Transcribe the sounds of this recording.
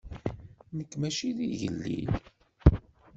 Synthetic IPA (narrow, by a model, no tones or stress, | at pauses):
nəkːmæʃiðiʝə̰lːḭl